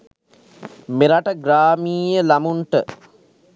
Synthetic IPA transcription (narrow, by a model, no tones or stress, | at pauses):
meɾaʈəɡɾaːmiːjəlamuɳʈə